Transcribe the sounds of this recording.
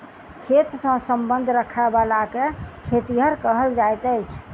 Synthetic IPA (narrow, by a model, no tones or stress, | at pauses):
kʰet̪sə̃səmbənd̪ʱɾəkʰabalakekʰet̪iɦəɾkəɦəld͡ʒajt̪əjt͡ʃʰ